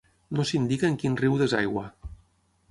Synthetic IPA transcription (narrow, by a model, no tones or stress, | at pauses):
nosind̪ikəːŋkinriwðeza̰jɣwa